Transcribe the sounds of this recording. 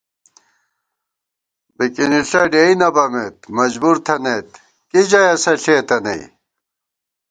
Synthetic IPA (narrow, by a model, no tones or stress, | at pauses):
bikiniɬɐɖeinɐbɐmet̪̚mɐd͡ʑbuɾt̪ʰɐnet̪ | kid͡ʑɐjɐsɐɬeːt̪ɐnɐ̰ḭ